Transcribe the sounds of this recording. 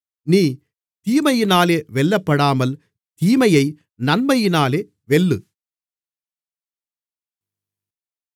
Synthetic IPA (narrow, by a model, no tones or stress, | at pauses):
niː | t̪iːmɐjɪnaːleːʋɛɭːɐpːɐɽaːmɐl | t̪iːmɐjɐɪ | nɐnmɐjɪnaːleː | ʋɛɭːɯ̰